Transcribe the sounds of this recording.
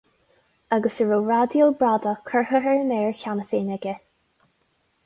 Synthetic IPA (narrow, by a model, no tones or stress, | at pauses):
əɡəsəɹuɹad̪jəlbɹad̪əkʰəɹɦəɦəɹnɛːɹkʲanəfeːnɛɡə